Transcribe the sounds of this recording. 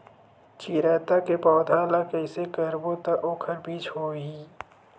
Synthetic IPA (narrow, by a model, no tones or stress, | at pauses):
t͡ʃiːɾɛːt̪akepɔːd̪ʱaːlakəɪsekəɾbot̪aʔoːkʰəɾbiːt͡ʃɦoːiː